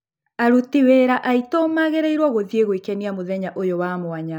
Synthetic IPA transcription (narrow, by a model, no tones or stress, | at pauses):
aɾutiweːɾaʔaitomaɣeɾeiɾwɔɣoðieɣwekɛniamoðɛɲaʔojowamoaɲa